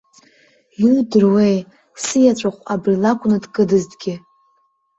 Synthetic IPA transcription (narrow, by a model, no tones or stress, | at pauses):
judɨrwej | sɨjat͡ʃʷʼaχʷabrilakʷʼnɨdkʼɨdɨzdʼɡʲɪ